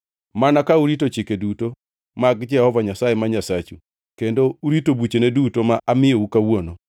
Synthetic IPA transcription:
manakauɾitot͡ʃɪkeduto | maɡd͡ʒɛhɔvaɲasajemaɲasat͡ʃu | kendouɾitobut͡ʃenedutomaʔamɪjoukawono

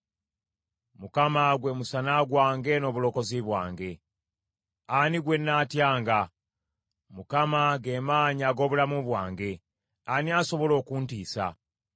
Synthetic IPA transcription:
mukamaɡwe̞musanaɡwaːŋɡe̞no̞ːβulo̞ko̞ziβwa̰ːŋɡe̞ | aniɡwe̞nːaːtjaːŋɡa | mukamaɡe̞maːɲaːɡo̞ːβulamuβwaːŋɡe̞ | aniaso̞βo̞lo̞ːkuntiːsa̰

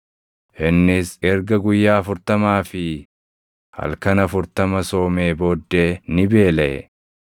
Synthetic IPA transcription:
ʔɪnːɪsɛɾɡɐɡʊjːaːfʊɾt̪ɐmaːfɪ | hɐ̰lkɐnɐfʊɾt̪ɐmɐso̞ːme̞ːbo̞ːd̪ːe̞ːnɪbe̞ːlɛ̰

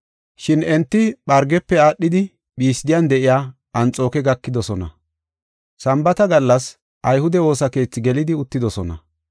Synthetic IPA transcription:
ʃɪnɛnt̪ːɪɓɐɾɡɛpːɛaːɗːɪd̪ɪ | ɓiːsɪd̪ɪjand̪ɛʔɪjaː | ɐnt͡sʼo̞ːkɛɡɐkːɪd̪ɔsɔnɐ̰ | sɐmbɐt̪ɐɡɐlːɐs | ʔɐjhʊd̪ɛwo̞ːsɐke̞ːt͡sːɪɡɛlɪd̪ɪʊt̪ːɪd̪ɔsɔnɐ̰

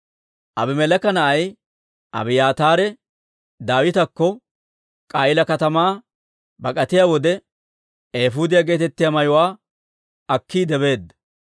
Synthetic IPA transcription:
ʔɐbɪmɛlɐkɐnɐʔɐj | ʔɐ̰bɪjaːt̪aːɾɛ | d̪aːwɪt̪ɐkːɔ | kʼaːʔɪlɐkɐt̪ɐmaː | bɐkʼɐt̪ɪjaːwɔd̪ɛ | eːfuːd̪ɪjaɡe̞ːt̪ɛt̪ːɪjamɐjʊwaː | ɐkːiːd̪ɛbe̞ːd̪ːɐ

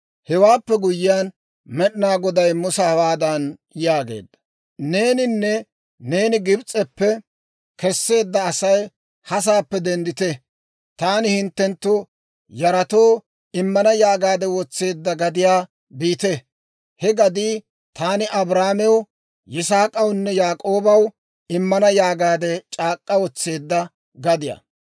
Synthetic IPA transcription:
hɛwaːpːɛɡʊjɪjaːn | mɛɗɪnaːɡɔd̪ɐjmʊsɐwaːd̪ɐnjaːɡe̞̰ːd̪ːɐ̥ | ne̞ːnɪnːɛ | ne̞ːnɪɡɪbt͡sʼɛpːɛ | kɛsːe̞ːd̪ːɐːsɐj | hɐs̬aːpːɛd̪ɛnd̪ɪt̪ɛ | t̪aːnɪhɪnt̪ːɛnt̪ːʊ | jɐɾɐt̪o̞ː | ɪmːɐnɐjaːɡaːd̪ɛwɔt͡sːe̞ːd̪ːɐɡɐd̪ɪjaː | biːt̪ɛ | hɛɡɐd̪iː | t̪aːnɪʔɐbɾaːmɛw | jɪsaːkʼɐwnːɛjaːkʼo̞ːbɐw | ɪmːɐnɐjaːɡaːd̪ɛt͡ʃʼaːkʼːɐwɔt͡sːe̞ːd̪ːɐ | ɡɐd̪ɪjɐ̰

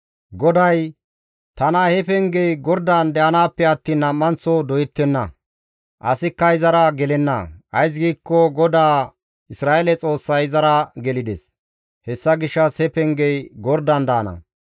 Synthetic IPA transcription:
ɡɔd̪ɐj | t̪ɐnahɛpɛŋɡɛjɡɔɾd̪and̪ɛʔɐnaːpːɛɐt̪ːiːnːɐmːɐnt͡sɔd̪ɔjɛt̪ːɛnːɐ̰ | ʔɐ̰sɪkːɐɪzɐɾɐɡɛlɛnːɐ̰ʔɐjs̬ɡiːkːɔɡɔd̪aː | ɪsɾaːʔelɛt͡sʼo̞ːsːɐjzɐɾɐɡɛlɪd̪ɛ̰s | hɛsːɐɡɪʃːɐshɛpɛŋɡɛjɡɔɾd̪ɐnd̪ɐːnɐ̰

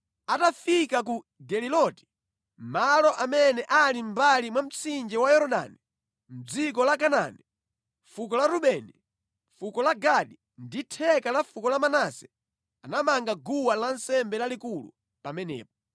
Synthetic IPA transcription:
atafikak̬u | dɛlilɔti̥ | malɔʔamɛnɛʔalim̩balimwam̩t͡sind͡ʒɛwajɔɾɔɗa̰ni | m̩d͡zik̬ɔlakana̰nɛ | fukɔlaɾuɓɛni | fukɔlaɡaɗi | nditʰɛkalafukɔlamanasɛ | anamaŋɡaɡuwalansɛmbɛlalikulṵ | pamɛnɛ̰ːp̚ɔ

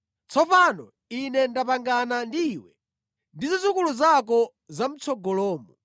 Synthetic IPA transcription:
t͡sɔpanɔ | inɛndapaŋɡanandiːwɛ | ndizizukuluzak̬ɔ | zam̩t͡sʰɔɡɔlɔːmɔ

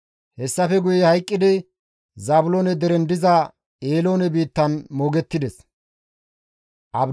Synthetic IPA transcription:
hɛsːɐfɛɡʊjɛhɐjkʼːɪd̪ɪ | zaːbʊloːnɛd̪ɛɾɛnd̪ɪzɐ | eːlo̞ːnɛbiːt̪ːɐnmoːɡɛt̪ːɪd̪ɛs | ʔɐb

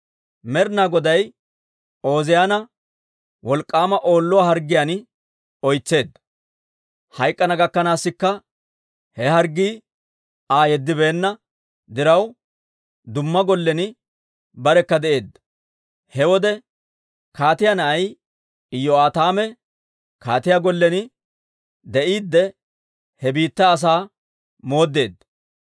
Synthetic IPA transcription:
mɛɾnaːɡɔd̪ɐj | o̞ːzɪjaːnɐ | wɔlkʼːaːmɐʔo̞ːlːɔwaːhɐɾɡːɪjaːn | ɔjt͡sːe̞ːd̪ːɐ | hɐjkʼːɐnɐɡɐkːɐnaːsːɪkːɐ | hɛhɐɾɡːiː | aːjɛd̪ːɪbe̞ːnːɐ | d̪ɪɾɐw | d̪ʊmːɐɡɔlːɛnɪ | bɐɾɛkːɐd̪ɛʔe̞ːd̪ːɐ̥ | hɛwɔd̪ɛ | kaːt̪ɪjanɐʔɐj | ɪjːɔaːt̪aːmɛ | kaːt̪ɪjaɡɔlːɛnɪ | d̪ɛʔiːd̪ːɛ | hɛbiːt̪ːɐːs̬aː | mo̞ːd̪ːe̞ːd̪ːɐ

